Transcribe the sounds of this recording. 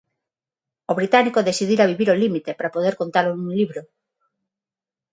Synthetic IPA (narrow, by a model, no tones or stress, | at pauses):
oβɾit̪anikoðesið̞iɾaβiβiɾolimit̪epɾapoðeɾkont̪alonũŋliβɾo